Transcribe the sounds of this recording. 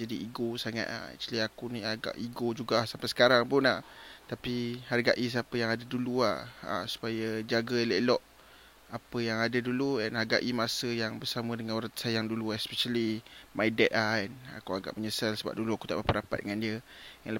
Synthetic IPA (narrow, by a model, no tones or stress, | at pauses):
d͡ʒadiiɡosaŋa̰t̪a̰hɛ̰t͡ʃaliakuniaɡa̰ʔiɡod͡ʒuɡahsampajsə̥kaɾaŋpʊnaht̪apiharɡaʔis̬apəjaŋadaduluaha̰su̥pajəd͡ʒaɡələʔlɔʔ | apəjaŋadaduluɛnharɡa̰ʔimasəjaŋbərsamə̃dəŋanoɾat̪sajaŋduluɛspɛʃalimajdɛt̪̚ahɛna̰kuaɡa̰ʔməɲəsalsəba̰p̚duluaku̥t̪aʔbapaɾapat̪̚dəŋandiəjaŋlə